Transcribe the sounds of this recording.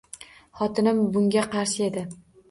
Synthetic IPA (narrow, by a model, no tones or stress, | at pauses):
χɒt̪ʰɪnɪmbʊŋɡʲaqɑɾʃɪe̞d̪ɪ